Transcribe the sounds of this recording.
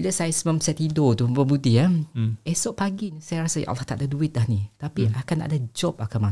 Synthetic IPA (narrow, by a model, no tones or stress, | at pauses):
iləsajsmə̃msɛt̪idot̪ubəbudiaɛsɔʔpaɡinisajaɾasajʔa̰laht̪a̰ʔdaduɪt̪̚lahnĩt̪apiʔakanta̰ʔdad͡ʒɔp̚akanma